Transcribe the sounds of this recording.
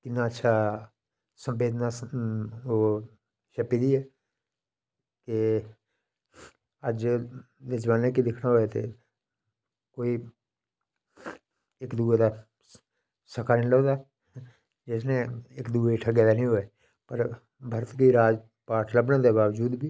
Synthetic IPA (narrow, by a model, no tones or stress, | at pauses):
t̪ɪnːãːətːʃʰaː | sə̃mbeːd̪naː | oː | ʃəpid̪iːɛː | kɪ | əd͡ʒ | d̪eːd͡ʒʋaːneːkid̪ɪkʰnaɦoet̪ḛː | koːiː | ɪkd̪uːed̪aː | səkʰaːnĩlɔːd̪aː | d͡ʒɪsnẽɪkd̪uːeʈʰəɡɛːd̪aːnəĩːɦoeː | pəɾ | bʱəɾət̪kiːɾaːd͡ʒ | paːʈʰləbnãːd̪eːbaːʋd͡ʒuːd̪biː